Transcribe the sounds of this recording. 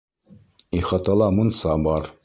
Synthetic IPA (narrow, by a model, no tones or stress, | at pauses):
iχɑt̪ɑlˠɑmŏnsɑbɑɾ